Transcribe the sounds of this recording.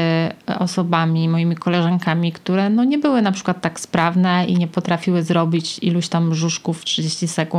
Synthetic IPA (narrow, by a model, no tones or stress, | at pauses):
ɔ̰sɔbamʲimɔjimʲikɔlɛʐaŋkamʲikt̪uɾɛnɔɲɛbɘwɘnapʂɘ̥kwat̪ːakspɾavnɛḭɲɛpɔt̪ɾafʲiwɘzɾɔbʲit͡ɕiluɕt̪amːʐuʂkuftʂɨd͡ʑeɕt͡ɕisɛku